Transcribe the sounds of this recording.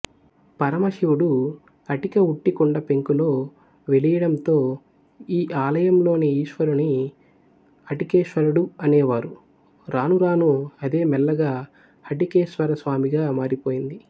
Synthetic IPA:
pɐɾɐmɐʃiwuɽu | ɐʈikɐuʈːikuɳɖɐpe̞ŋkulo̞ː | ʋelijɐɽɐmt̪o̞ː | iːʔaːlɐjɐmlo̞ːneiːʃʋɐɾuni | ɐʈikeːʃʋɐɾɐɽuɐneːʋaːɾu | ɾaːnuɾaːnuɐd̪e̞ːmɛlːɐɡaː | hɐʈikeːʃʋɐɾɐsʋaːmiɡaːmaːɾipo̞ːjind̪i

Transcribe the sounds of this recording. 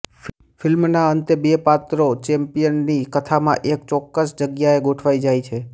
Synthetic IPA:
fʰɪlmnaənt̪ebepat̪ɾot͡ʃɛ̃mpijənːikət̪ʰamã̰ʔekt͡ʃɔkːəsd͡ʒəɡjaeɡoʈʰʋaid͡ʒajt͡ʃʰe

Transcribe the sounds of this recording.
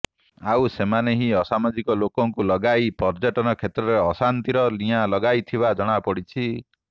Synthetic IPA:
awsemaneɦiɔsamad͡ʒikɔlokɔŋkulɔɡajpɔɾd͡ʒɔʈɔnɔkʰet̪ɾɔɾeɔsant̪iɾɔlijalɔɡajt̪ʰibad͡ʒɔɽ̃apɔɽit͡ʃʰi

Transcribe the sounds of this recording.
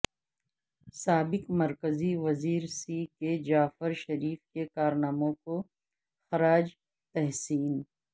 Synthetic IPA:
saːbɪkmɐɾkəziʋɐziːɾsiked͡ʒaːfəɾʃɐɾiːfkekaːɾnaːmõko | xɐɾaːd͡ʒ | t̪ɛɦsiːn

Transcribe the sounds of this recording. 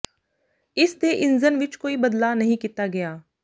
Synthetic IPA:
ɪst̪eʔɪnzənʋɪt͡ʃkoːibɐd̪laːnɐɦĩkiːt̪aɡɐjaː

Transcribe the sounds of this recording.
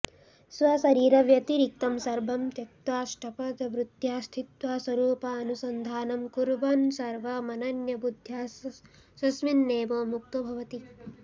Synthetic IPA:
sʋɐsɐɾiːɾɐʋjɐt̪iɾik̚t̪ɐmsɐɾbʱɐmt̪jɐk̚t̪ʋaːʃʈʰɐpɐd̪ʋɾut̪jaːst̪ʰit̪ʋaːswɐɾuːpɐɐnusɐnd̪ʱaːnɐmkuɾbɐnsɐɾʋɐmɐnɐnjɐbud̪ʱjaːs | sɐsminːeːboːmuk̚t̪ɐbʱɐʋɐt̪i

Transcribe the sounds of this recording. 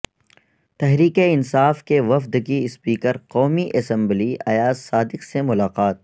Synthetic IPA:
t̪ɛɦɾiːkeɪnsaːfkeʋɐfd̪kiɪspiːkəɾqɔːmiʔɐsɛ̃mbliɐ̰jaːzːaːd̪ɪqsemʊlaːqaːt̪̚

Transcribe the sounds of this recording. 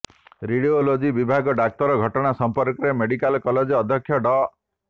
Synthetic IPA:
ɾiɽiolod͡ʒibibʱaɡɔɖak̚t̪ɔɾɔɡʱɔʈɔɽ̃asɔmpɔɾkɔɾemeɽikalkɔled͡ʒːd̪ʱjɔkʰːjɔɖɔ

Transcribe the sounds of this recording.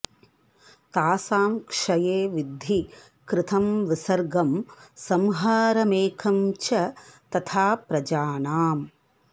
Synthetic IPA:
t̪aːsaːmkʂɐjeːʋid̪ʱi | kɾɪt̪ʰɐmʋisɐɾɡɐmsɐmɦaːɾɐmeːkʰɐmt͡ʃɐt̪ɐt̪ʰaːpɾɐd͡ʒaːnaːm

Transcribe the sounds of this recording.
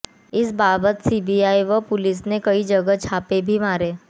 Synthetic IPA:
ɪsbaːbət̪siːbiaːiʋɐpʊlɪs̬nekɐid͡ʒɐɡət͡ʃʰaːpebʱimaːɾeː

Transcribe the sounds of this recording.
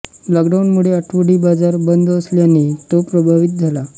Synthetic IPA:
lɔkɖawnmuɭeəʈʰʋuɽiːbad͡zaɾbənd̪əsljanːit̪opɾəbʱaʋit̪̚d͡zʱala

